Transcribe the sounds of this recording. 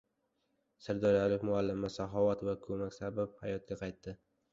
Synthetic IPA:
sɪɾd̪ɒɾjalɪkʲmʊalːɪmɪsaɦɒvat̪vakʰɵmakʲsababhajɒt̪̚ɡʲaqʰɑjt̪ːɪ

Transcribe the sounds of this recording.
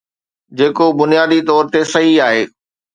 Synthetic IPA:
d͡ʑeːkobʊnijaːd̪it̪ɔːɾt̪esɐɦiaːɦeː

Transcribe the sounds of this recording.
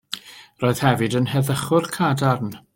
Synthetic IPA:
roːɨð̥hɛvɨdənhɛðəχʊrkʰadarn

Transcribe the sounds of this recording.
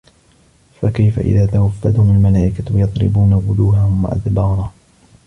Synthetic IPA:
fakajfa̰ʔɪ̰ðaːt̪awafːad̪hʊmʊlmalaːʔɪkawjɑðˤɾɪ̰buːnawʊd̪uːhahʊmwa̰ʔa̰ðbɑːɾˤɑ

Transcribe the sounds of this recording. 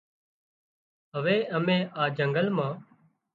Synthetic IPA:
ɦəʋeːʔəmẽːʔaːd͡ʒəŋɡəlmãː

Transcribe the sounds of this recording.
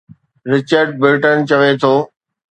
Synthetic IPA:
ɾɪt͡ɕəɾɖ̚bɾɪːʈənt͡ɕɐʋet̪ʰoː

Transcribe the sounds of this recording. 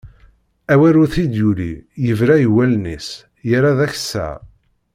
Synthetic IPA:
æwæɾuθid̪julḭjəvɾæjəwælnis | jəɾaðæç̥sːæ̰

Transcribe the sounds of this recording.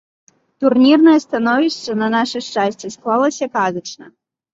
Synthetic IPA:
t̪urnʲirnɐjɐst̪anɔvʲiʂt͡ʂɐnɐnaʂɨʂt͡ʂasʲt͡sʲisklˠalˠɐsʲɐkazɐt͡ʂnɐ̰

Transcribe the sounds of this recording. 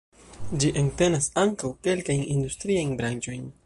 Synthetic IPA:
d͡ʒiʔeŋte̞nasaŋkawke̞lkajnindustɾiajnbɾant͡ʃo̞jn

